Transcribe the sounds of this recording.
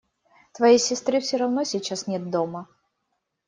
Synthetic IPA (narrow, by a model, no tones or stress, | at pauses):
t̪vɐjijsʲɪst̪ɾɨfsʲoɾɐvnosʲɪt͡ɕːasnʲet̪̚d̪o̞mə